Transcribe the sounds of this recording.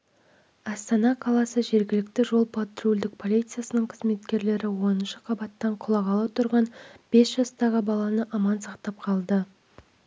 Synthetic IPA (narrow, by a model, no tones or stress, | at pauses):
ɑst̪ɑnɑqʰɑlˠɑsəʒe̞ɾɡʲɪlɪk̚t̪ɪʒo̞lˠpʰat̪rulʲd̪ɪk̚pʰo̞lˠijt̪sɨjasənəɴqʰəzme̞t̪kʲe̞ɾle̞ɾɪwo̞nənʃəqʰɑbɑt̪ːɑɴqʰʊlˠɑʁɑlˠɑwt̪ʰʊɾʁɑnb̥e̞sʒɑst̪ɑʁəbɑlˠɑnəʔɑmɑnsɑqt̪ɑp̚qʰɑlˠd̪ə